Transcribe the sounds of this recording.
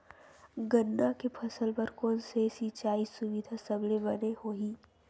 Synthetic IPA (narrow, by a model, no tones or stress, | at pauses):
ɡənːakepʰɐsəlpɐɾkɔːnsesit͡ʃaːisʊʋid̪ʱasɐblebɐnehoːɦiː